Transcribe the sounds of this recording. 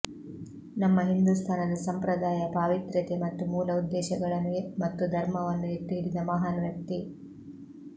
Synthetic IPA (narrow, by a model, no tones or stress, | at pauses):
nɐmːɐɦind̪ust̪ʰaːnɐd̪ɐsɐmpɾɐd̪aːjɐpaːʋit̪ɾɐt̪emɐt̪ːumuːlɐud̪ːɛːʃɐɡɐɭɐnuɡemɐt̪ːud̪ʱɐɾmɐʋɐnːueʈ̪ːiɦiɽid̪ɐmɐɦaːnʋjɐk̚t̪i